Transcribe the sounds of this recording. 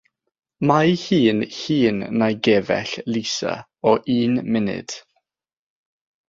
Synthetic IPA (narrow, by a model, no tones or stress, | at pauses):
majhiːnhiːnːajɡɛvɛ̰ɬlisa̰ | ɔʔiːnmɪnɪ̰d̥